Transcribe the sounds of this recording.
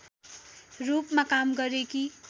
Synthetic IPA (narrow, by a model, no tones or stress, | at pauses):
rupmakamɡʌɾeki